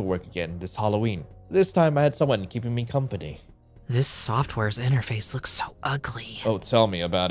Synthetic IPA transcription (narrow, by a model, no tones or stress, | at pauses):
l̩ˠwɜ˞kɨɡɛ̰̃nðɪshɑlˠoʊwĩnðɪstʰãɪ̃maɪɨd̥sʌ̃mwʌ̃nkʰipɪ̃ŋmikʰʌ̃mpɨnḭ | ðɪsɔft̚wɛɹzɪ̃ɾ̃ə˞feɪslʊksoʊʔʌɡlioʊtʰɛlˠmiɨbaʊɾ